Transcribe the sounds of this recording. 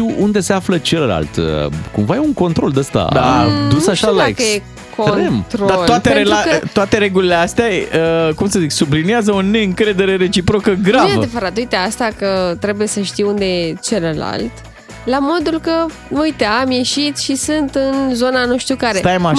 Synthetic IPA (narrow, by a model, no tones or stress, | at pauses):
iwund̪e̞se̞aflət͡ʃe̞ləla̰lt̪ə̰kṵmvajeuŋko̞nt̪ɾo̞ld̪əst̪a̰d̪a̰d̪usaʃalakje | kod̪emt̪ɾod̪atloat̪eɾeuaət̪oat̪e̞ɾe̞ɡulileast̪eaəkumsəziksubliniazəone̞ɨŋkɾe̞d̪e̞ɾe̞ɾe̞t͡ʃipɾo̞kəɡɾavaəd̪evəɾat̪ujt̪east̪akət̪ɾe̞buje̞səʃt̪iwund̪ejet͡ʃe̞ləla̰lt̪ | lamo̞d̪ulkə | ujt̪eamje̞ʃit̪ʃisɨnt̪ɨnzo̞nanuʃt̪jukaɾe̞t̪ajma